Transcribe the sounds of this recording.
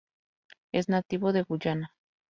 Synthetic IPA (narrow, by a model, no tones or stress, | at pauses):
ḛznat̪iβoðe̞ɣuʎana